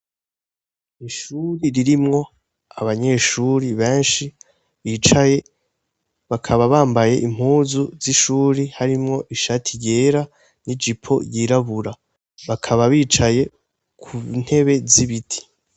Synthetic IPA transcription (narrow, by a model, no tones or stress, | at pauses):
iʃuɾiɾiɾimŋo̞ | aβaɲe̞ʃuːɾiβe̞ːnʃi | βiːt͡ʃaje̞ | βakʰaβaβaːmbaje̞ʔim̥huːzuziʃuːɾihaɾimŋo̞ʔiʃatʰije̞ːɾa | nid͡ʒipʰo̞̰jiɾaβuɾa | βakʰaβaβiːt͡ʃaje̞ | kʰun̥he̞βe̞ziβitʰi̥